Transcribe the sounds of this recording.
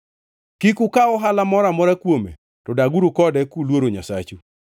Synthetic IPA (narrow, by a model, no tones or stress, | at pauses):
kikukaɔɦalamɔɾamɔɾakwomḛ | tɔdaɡuɾukɔdɛkulwoɾoɲasa̰t͡ʃu